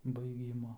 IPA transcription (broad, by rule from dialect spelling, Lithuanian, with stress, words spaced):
bɐɪˈɡʲiːmoː